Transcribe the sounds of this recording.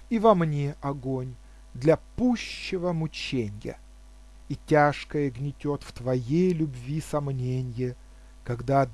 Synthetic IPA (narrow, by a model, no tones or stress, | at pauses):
ivɐmnʲeʔɐɡonʲ | d̪lʲɐpuɕːɪvəmʊt͡ɕenʲjə̰ | itʲaʂkəjəɡnʲɪtʲot̪ft̪vɐjejlʲʊbvʲisɐmnʲenʲjə | kɐɡd̪ad̪